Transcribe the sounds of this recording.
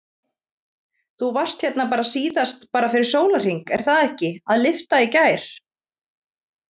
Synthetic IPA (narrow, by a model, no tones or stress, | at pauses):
θuvar̥st̪çɛt̪napaːɾasiːðast̪paːɾafɪɾɪɾ̥soːwlar̥iŋkɛɾ̥θaðɛhcɪaðlɪft̪aicaːjɾ̥